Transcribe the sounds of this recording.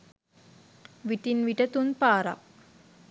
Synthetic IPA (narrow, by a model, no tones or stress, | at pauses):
ʋiʈinʋiʈɐt̪unpaːɾa̰k̚